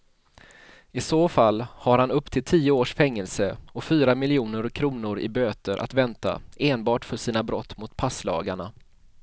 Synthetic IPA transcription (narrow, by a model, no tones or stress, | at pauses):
ɪsoːfalːhaɾhanɵpːt̪ʰɪlt̪ʰiːʊoːʂfɛŋːəlsəɔfyːɾamɪlɪuːnəɾkʰɾuːnʊɾɪ̰bøːt̪əɾʔa̰t̪vɛnt̪a̰eːnbɑːʈfœʂiːnabɾɔt̪ːmʊt̪pʰaslɑ̰ːɡaɳa